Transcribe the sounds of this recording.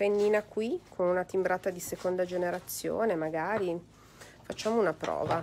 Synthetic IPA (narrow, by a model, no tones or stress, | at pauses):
enːiːnakwikʰonunat̪imbɾaːt̪ad̪isekond̪ad͡ʒeneɾat̪sːjo̰ːnemaɡaːɾi | fat͡ʃːaːmounapɾɔ̰ːva